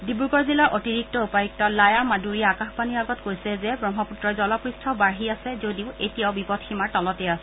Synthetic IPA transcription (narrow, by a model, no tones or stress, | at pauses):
dibuɡɔɹzilɔɹʔotiɹik̚tɔupajik̚tɔlajamaduɹijaːkaxpaniaɡɔtkojsɛzɛbɹɔŋɦɔputɹɔzɔlɔpɹistʰɔbaɹɦiasɛzodiʊetijaʊbipɔtxʰimaɹtɔlɔtɛasɛ